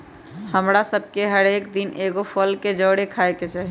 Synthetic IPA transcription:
həmɾasəb̚ʱkeɦəɾekd̪inʔeɡopʰəlked͡ʒəɽekʰaeket͡ʃaɦi

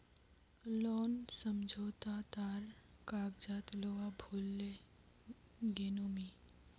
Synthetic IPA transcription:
lɔːnsəmd͡ʒʱoːt̪at̪aːɾkaːɡd͡ʒaːt̪loabʱulːe | ɡenoːmi

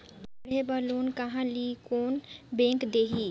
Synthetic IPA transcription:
bɐɽebɐloːnkɐɦãlikoːnbẽːkd̪eːɦi

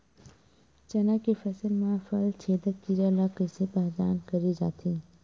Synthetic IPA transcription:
t͡ʃɐnakefʰɐsəlmãfəlt͡ʃʰeːd̪əkːiɾəlakəsepəɦd̪a̰ːnkəɾid͡ʒa̰ːt̪ʰiː

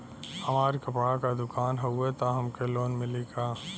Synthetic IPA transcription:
hɐmaːɾikɐpɽakad̪ʊkaːnɦɐʊet̪aɦɐmkeloːnmɪliɡaː

